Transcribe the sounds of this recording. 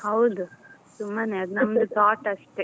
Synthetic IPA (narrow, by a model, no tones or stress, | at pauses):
hɐwd̪u | t̪umbaneɐd̪nɐmɐd̪ɯt̪aːʈɐʂʈe